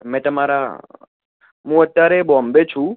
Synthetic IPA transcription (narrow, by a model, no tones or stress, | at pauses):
mɛ̃t̪əmaɾa̰ | ɦũət̪ːjaɾebɔmbet͡ʃʰũ